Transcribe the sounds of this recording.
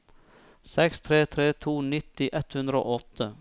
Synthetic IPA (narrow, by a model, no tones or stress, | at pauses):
sɛkst̪ʰɾeːt̪ʰɾeːt̪ʰuːnɪt̪ɪʔɛt̪hʉnd̪ɾəo̰ːʔɔt̪ʰə